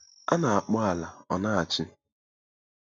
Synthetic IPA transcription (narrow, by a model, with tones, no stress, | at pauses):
a˦na˨a˨k͡pɔ˦a˨la˨ɔ˨na˦a˨t͡ʃɪ˦